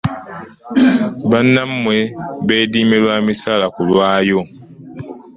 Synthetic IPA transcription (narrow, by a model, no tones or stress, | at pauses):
banːammwebeːdiːmelwaːmisalakulwaːjo